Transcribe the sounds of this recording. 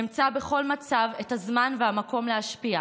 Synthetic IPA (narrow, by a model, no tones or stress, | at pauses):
imt͡sabeχo̞lmat͡savetazmanvehamako̞mleaʃpia